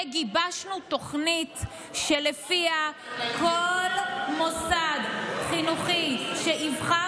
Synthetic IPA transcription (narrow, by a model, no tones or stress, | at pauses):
ɡibaʃnut̪o̞χnit̪ | ʃelefiakolmosad̪χinuχiʃeʔivχa